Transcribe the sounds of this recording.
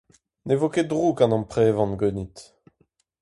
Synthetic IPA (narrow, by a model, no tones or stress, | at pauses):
nevoked̪ʁukɑ̃nɑ̃pχɛvɑ̃nɡønit̪